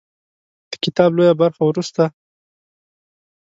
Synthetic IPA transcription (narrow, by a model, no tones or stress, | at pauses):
d̪̥ə̥kɪt̪ɑblojabaɾxawɾust̪a